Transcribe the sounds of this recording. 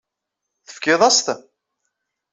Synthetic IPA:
θə̥fkɪðˤɑst̪

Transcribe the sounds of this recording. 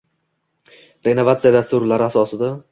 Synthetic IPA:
ɾe̞no̞vat̪sɨjad̪ast̪ʊɾlaɾɪasɒsɪd̪a

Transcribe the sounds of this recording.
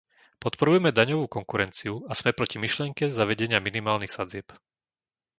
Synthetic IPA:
pɔt̪pɔɾujɛmɛd̪aɲɔʋuːkɔŋkuɾɛnt͡siuasmɛpɾɔcimiʃlɪɛŋkɛzaʋɛɟɛɲɪaminimaːlnixsad͡zɪɛp

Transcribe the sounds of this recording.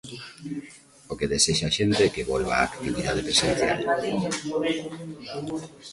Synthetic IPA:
okeðeseʃaʃent̪ekeβolβa̰ːkt̪iβiðaðepɾesenθja̰l

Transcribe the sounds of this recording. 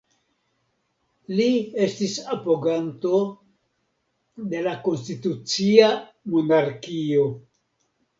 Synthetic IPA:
lie̞stisapoɡanto̞ | de̞lako̞nstitut͡sia | monaɾkio̞

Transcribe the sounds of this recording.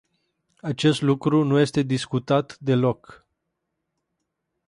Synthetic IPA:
at͡ʃe̞st̪lukɾunuje̞st̪e̞d̪iskut̪at̪d̪e̞lo̞k

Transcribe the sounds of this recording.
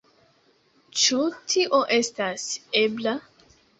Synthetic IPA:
t͡ʃutʰiʔoʔe̞stasebla

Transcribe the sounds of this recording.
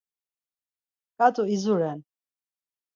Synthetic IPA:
kʼat̪ʼuizuɾɛn

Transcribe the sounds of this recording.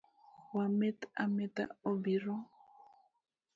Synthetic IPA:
wamet̪amet̪a̰obiɾɔ

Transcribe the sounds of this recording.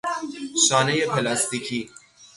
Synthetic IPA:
saːnejepʰelaːst̪ikʰi

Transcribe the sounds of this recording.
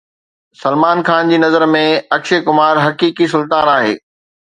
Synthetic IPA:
sɐlmaːnxaːnd͡ʑiːnɐzəɾmẽɐkʃekʊmaːɾɦɐkiːkisʊlt̪aːnaːɦḛː

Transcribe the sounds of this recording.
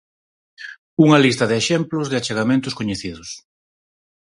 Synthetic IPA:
uŋɐlist̪ɐðɪeʃɛmplʊzðɪat͡ʃeɣamẽnt̪ʊskoɲeθiðʊs

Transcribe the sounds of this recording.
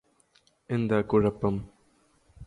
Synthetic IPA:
end̪akʊɻɐpːɐm

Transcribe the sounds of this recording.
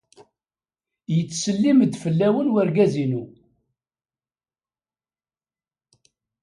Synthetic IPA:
jət͡sːsəlːiməd̪fəlːæwənwæɾɡæzinu

